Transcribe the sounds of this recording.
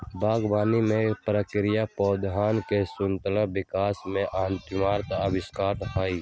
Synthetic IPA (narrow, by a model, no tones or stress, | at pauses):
baːɡbaːnimẽpɾəkɾɪjapɔːd̪ɦaːnkesʊnt̪lãbɪkaːsmẽʔaːnt̪ɪmaːɾt̪əbɪskaːʈɦaːiː